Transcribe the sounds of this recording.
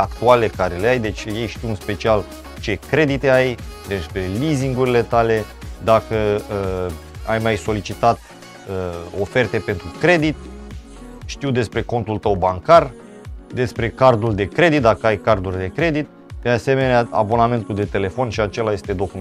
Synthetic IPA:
akt̪ualle̞kaɾe̞le̞ajd̪e̞t͡ʃʲje̞jʃt̪iwɨnspe̞t͡ʃial | t͡ʃe̞kɾe̞d̪it̪e̞ajd̪e̞spɾe̞liziŋɡuɾile̞t̪ale̞ | d̪akəəajmajso̞lit͡ʃit̪at̪ | əo̞fe̞rt̪e̞pe̞nt̪ɾukɾe̞d̪it̪ | ʃt̪iwd̪e̞spɾe̞ko̞nt̪ult̪əwbaŋkar | d̪e̞spɾe̞kard̪uld̪e̞kɾe̞d̪it̪̚d̪akəajkard̪urʲd̪e̞kɾe̞d̪it̪̚ | d̪̥ease̞me̞neaa̰bo̞name̞nt̪uld̪e̞t̪e̞le̞fo̞nʃiat͡ʃe̞laje̞st̪e̞d̪o̞kum

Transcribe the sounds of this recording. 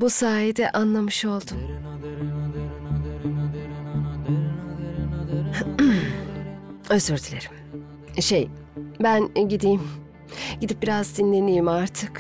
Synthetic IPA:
busaːjid̪ɛʔanlˠamɯʃo̞lˠd̪um | øzøɾd̪ʰilʲeɾi̥m | ʃej | bænɟid̪ijm | ɟid̪ip̚biɾazd̪inlʲe̞nijimaɾt̪ʰɯk

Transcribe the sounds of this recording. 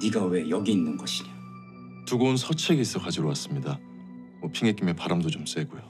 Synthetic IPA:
niɡawe̞jʌɡiːnːɯnɡʌɕʰiɲa | tuɡounsʰʌt͡ɕʰeɡis͈ʰʌkad͡ʑiɾowas͈ɯmɲida | mʌpʰiŋek͈imepaɾamdot͡ɕoms͈e̞ɡujo

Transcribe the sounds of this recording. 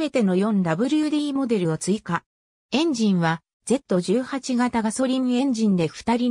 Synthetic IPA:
me̞t̪e̞no̞jõ̞nd̪abɯ̟ɾʲɯɯ̟d̪iiːmo̞d̪e̞ɾɯ̟o̞t͡sɨika | ẽ̞ɲ̟d͡ʑĩɰ̃βa | d͡ze̞t̪ːo̞ʑɨːhat͡ɕiɡat̪aɡaso̞ɾʲimɯ̟ẽ̞ɲ̟d͡ʑĩnd̪e̞ɸɯ̟̥t̪aɾʲi

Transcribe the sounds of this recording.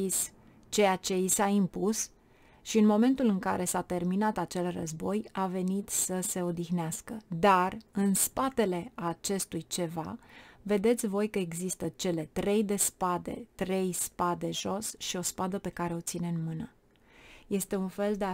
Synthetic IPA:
is | t͡ʃe̞jat͡ʃe̞isaimpus | ʃiɨnmo̞me̞nt̪ulɨŋka̰ɾʔe̞sat̪e̞rminat̪at͡ʃe̞lrə̰zbo̞jave̞nit̪səse̞o̞d̪ixneaskəd̪arɨnspat̪e̞le̞aːt͡ʃe̞st̪ujt͡ʃe̞va̰ve̞d̪e̞t̪sʲvo̞jkəe̞ɡzist̪ət͡ʃe̞le̞t̪ɾe̞jd̪e̞spad̪e̞̰t̪ɾe̞jspad̪e̞ʒo̞sʃio̞spad̪əpe̞kaɾe̞o̞t̪sine̞ɨnmɨnə | je̞st̪e̞unfe̞ld̪ea

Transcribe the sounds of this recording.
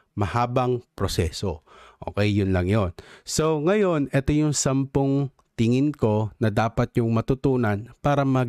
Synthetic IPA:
mɐhaːbɐŋpɾosɛːsoʔo̰ːkɛjːʊnlɐŋjonso̞ŋɐjo̞nʔɛt̪ojʊŋsɐmpoŋ | t̪ɪŋɪnko̞nɐd̪aːpɐt̪̚ɲʊŋmɐt̪ʊt̪uːnɐnpaːɾɐmɐ

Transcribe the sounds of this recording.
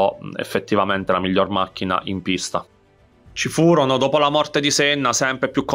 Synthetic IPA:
ɔḛfːet̪ːivament̪elamiʎːormakːina̰ʔimpist̪a | t͡ʃifuːɾonod̪oːpolamɔrt̪ed̪isenːasɛmpɾepjukːo

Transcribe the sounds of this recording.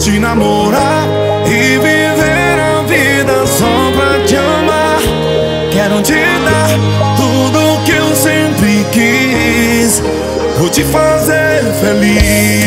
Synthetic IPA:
t͡ʃɪnamoɾaɾɾ | ɪ | vi | ve | ɾavi | d̪ɐsɔ | pɾɐd͡ʒɪɐ | ma | ɾ | kɛɾõt͡ʃi | d̪aɾ | t̪ud̪ʊkɪewsẽmpɾɪki | s | vowt͡ʃɪfazeɾfeli

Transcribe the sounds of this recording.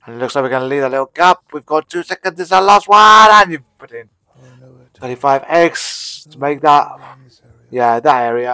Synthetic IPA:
ə̃nɪtˡlʊkslaɪk̚wikə̃nliːdətlɪtl̩ˠɡap̚wivɡɒttʰʉːsɛkə̃nzɪzəlast̚waɾãnjɨpʰʊɾɪ̃n | θʰɜɾifaɪvɛɡstʰəmeɪk̚ðəʔ | jæðətɛːɹiə

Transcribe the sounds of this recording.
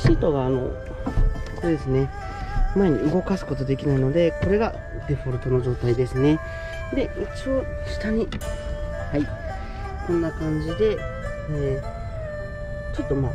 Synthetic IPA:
ɕiːt̪o̞ɡaːno̞ | koːd̪esɨne̞ | maeɲ̟iɯ̟ɡo̞kasɨ̥ko̞t̪o̞d̪e̞kʲinaino̞d̪e̞ko̞ɾe̞ɡa | d̪e̞ɸoɾɯ̟t̪o̞no̞ʑo̞ːt̪aid̪e̞sɨne̞ | d̪e̞it͡ɕioɕi̥t̪aɲ̟i | hai | kõ̞nːakãɲ̟d͡ʑid̪e̞ | t͡ɕo̞t̪ːo̞ma

